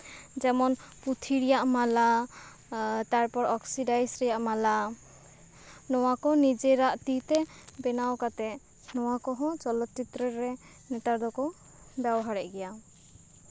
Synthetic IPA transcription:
d͡ʒɛmɔnput̪ʰiɾijaʔmala | t̪aɾpɔɾɔksidajsɾɛjaʔmala | nɔwakɔnid͡ʒɛɾaʔt̪it̪ɛbɛnawkat̪ɛ | nɔwakɔɦɔ̃t͡ʃɔlɔt̪̚t͡ʃit̪ɾɛɾɛ | nɛt̪aɾd̪ɔkɔ | bjabɔɦaɾɛʔɡɛja

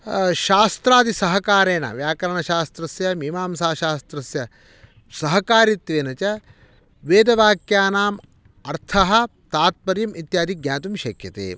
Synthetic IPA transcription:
ʃaːst̪ɾaːd̪isɐɦɐkaːɾeːnɐ̰ʋjaːkɐɾɐɳɐʃaːst̪ɾɐsjɐmimaːmsaːʃaːst̪ɾɐsjɐ | sɐɦɐkaːɾit̪ʋeːnɐt͡ʃɐ | ʋeːd̪ɐʋaːkjaːnaːm | ɐɾt̪ʰɐɦɐ̆t̪aːt̪̚pɐɾjɐmit̪jaːd̪iɡjaːt̪umʃɐkjɐt̪ḛː

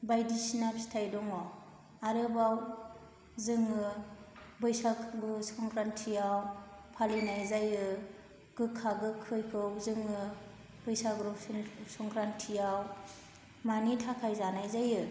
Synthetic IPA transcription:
bajdisinapsi̥tʰajdɔŋɔ | aɾɯbaw | zɯŋɯ | bɯjsakʰɾusɔŋkʰɾantʰijawpʰalinajzajɯ | ɡ̥ɯkʰaɡɯkʰɯjkʰɯwzɯŋɯ | bɯjsaɡɾusnsɔŋkɾantʰijaw | manitʰakʰajzanajzajɯ

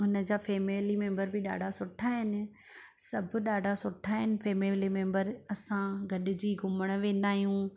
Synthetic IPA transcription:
ʊnə̆d͡ʑaːfeːmeːlimɛ̃ːmbəɾbɪɗa̰ːɖʱasʊʈʰaɦɪnɪ̆ | sɐb̆ʱɗaːɖʱasʊʈʰaɦɪnɪ̆feːmelimɛ̃ːmbəɾɐsãɡʱɐɗɪ̆d͡ʑiːɡʱʊməɽ̃ʋẽːnd̪aːɦijũ

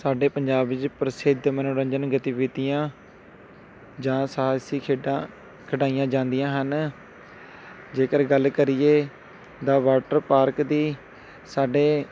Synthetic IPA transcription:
saːɖeːpəɲd͡ʒaːbɪd͡ʒpɾəsɪd̪mənõːɾə̃ɲd͡ʒənɡət̪ɪːʋɪt̪ijãː | d͡ʒãːsasiː | kʰəɖaːijãːd͡ʒãːnd̪ɪjãːɦən | d͡ʒeːkəɾɡəlkəɾɪjeː | d̪aːʋaːʈəɾpaːɾkd̪iː | saːɖeː

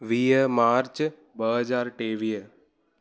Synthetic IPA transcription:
ʋiːəmaːɾt͡ʃ | bəɦəd͡ʒaːɾʈeːʋijə

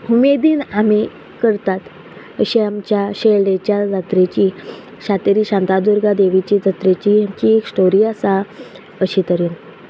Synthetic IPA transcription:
umed̪iːname | kəɾt̪at̪ | əɕiamt͡ɕjaɕelɖet͡ɕjad͡zat̪ɾet͡ɕiː | ɕat̪eɾiːɕãnt̪ad̪uɾɡad̪eʋit͡ɕiːd͡zat̪ɾet͡ɕiamt͡ɕieksʈoɾiːasa | əɕit̪əɾiːn

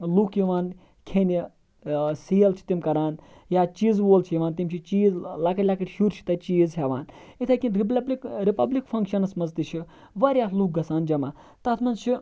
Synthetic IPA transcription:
luːkjiʋaːn | kʰeni | siːɐlt͡ʃʰi̥t̪imkɐɾaːn | jaːt͡ʃiːzʋoːlt͡ʃʰijiʋaːnt̪imt͡ʃʰit͡ʃiːzlakɐtʲlʲakɐʈʃuɾt͡ʃʰi̥t̪ɐt͡ʃiːzɦʲeʋaːnit̪ʰɐkʲinɾibikɾipɐblikfʰɐŋkʃɐnɐsmɐzt̪it͡ʃʰi | ʋɐɾʲjaːt̪luːk̚ɡɐsaːnd͡ʒɐmaː | t̪ɐt̪ʰmɐnt͡ʃʰi

